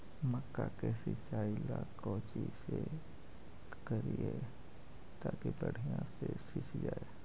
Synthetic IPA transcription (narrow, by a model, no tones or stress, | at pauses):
məkːakesɪt͡ʃaːilakoːt͡ʃise | kəɾie | t̪aːkibəɽ̤ʱijãsesɪt͡ʃd͡ʒaːe